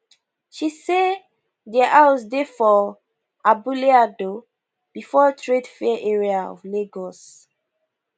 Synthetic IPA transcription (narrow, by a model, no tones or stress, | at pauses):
ʃise | dɛʔawsdefɔ | ʔabuleado | b̥ifɔtʰɹedfɛʔɛɹiaɔ̰vleɡɔs